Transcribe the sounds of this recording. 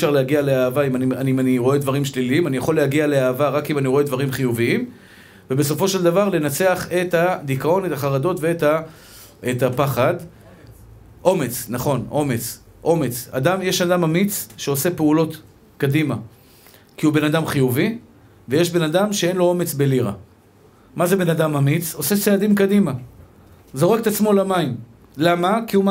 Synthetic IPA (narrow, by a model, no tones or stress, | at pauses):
ʃaʁlehaɡialeaːvaimanianimaniʁo̞e̞d̪vaʁimʃliliimanijaχo̞lːehaɡiale̞aːvaʁakimaniʁo̞e̞d̪vaʁimχijuviim | vebe̞s̬o̞fo̞ʃeld̪avaʁle̞nat͡se̞aχe̞t̪had̪ikao̞ne̞t̪aχaʁad̪o̞t̪veeta | et̪apaχad̪ | ʔo̞me̞t͡snaχo̞nʔo̞me̞t͡s | ʔo̞me̞t͡sa̰d̪amjeʃad̪amamit͡sʃeo̞se̞peulo̞t | kad̪ima | kiube̞nad̪amχijuvi | vejeʃbe̞nad̪amʃee̞nlo̞o̞me̞t͡sbe̞liʁa̰ | maze̞be̞nad̪amamit͡so̞set͡sead̪imkadima | zo̞ʁ̞ekt̪at͡smo̞lamaim | lamakiuma